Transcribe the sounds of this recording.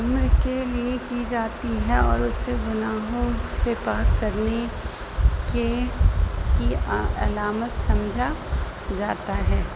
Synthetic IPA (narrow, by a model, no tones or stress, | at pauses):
ɐmɾkeliekid͡ʒaːt̪iɦɛɔ̰ːɾʊsːeɡʊnaːɦõsepaːkːɐɾne | ke | kiɐ̰laːmət̪sɐ̃md͡ʒʱa | d͡ʒaːt̪aɦɛː